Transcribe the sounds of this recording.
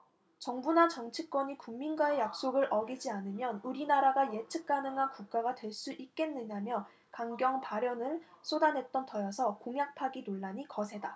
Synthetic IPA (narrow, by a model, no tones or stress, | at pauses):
t͡ɕʌŋbunat͡ɕʌŋt͡ɕʰik͈wʌɲikuŋminɡwae̞jak̚s͈oɡɯɾʔʌɡid͡ʑianɯmjʌnuɾinaɾaɡaje̞t͡ɕʰɯk̚k͈anɯŋɦankuk̚k͈aɡadwe̞ɭs͈uʔik̚k͈e̞nːɯɲamjʌ | kaŋɡjʌŋpaɾjʌnɯɭsʰodanɦe̞t̚t͈ʌntʌjʌsʰʌkoŋjak̚pʰaɡinoɭːaɲikʌsʰe̞da